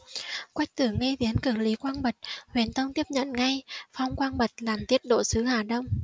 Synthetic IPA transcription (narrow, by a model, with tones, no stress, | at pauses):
kwa˦˥jk̟̚t̪ɨ˧˩əŋːe˧ɓi˨˦ənkɨ˧˩li˨˦kwaː˧nɓə˨˩t̚hwi˨˩ənt̪ə˧wŋ͡mt̪i˦˥əp̚ɲə̰˧˨nŋa˧jfa˧wŋ͡mkwaː˧ŋɓə˨˩t̚laː˨˩mt̪i˦˥ət̚ɗo̰˧˩sɨ˨˦haː˨˩ɗə˧wŋ͡m